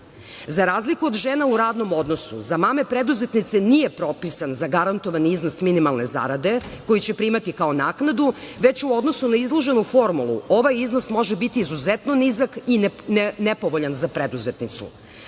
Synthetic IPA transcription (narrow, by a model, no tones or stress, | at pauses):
zaɾaːzlikuod̪ʒeːnauɾaːd̪no̞mo̞d̪no̞sṵzamaːme̞pɾed̪uze̞t̪nit̪senije̞pɾo̞pisanzaɡaɾant̪o̞ʋaniizno̞sminimalˠne̞za̰ɾad̪e̞ko̞jit͡ɕepɾimat̪ikaonaːknad̪uʋe̞t͡ɕuo̞d̪no̞sunaizlˠo̞ʒe̞nufo̞ɾmulˠṵo̞ʋajizno̞smo̞ʒebit̪iːzuzet̪no̞nizakinepo̞ʋoʎanzapɾed̪uzet̪nit̪sṵ